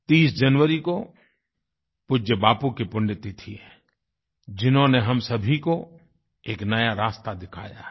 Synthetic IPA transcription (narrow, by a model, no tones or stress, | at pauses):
t̪iːsd͡ʒɐnʋəɾiko | pʊd͡ʒəbaːpukipʊ̃ɳɖɪt̪it̪ʰiɛ | d͡ʒɪnɦõneɦɐmsɐbʱiko | eːknɐjaɾaːst̪ad̪ɪkʰa̰ːja̰ː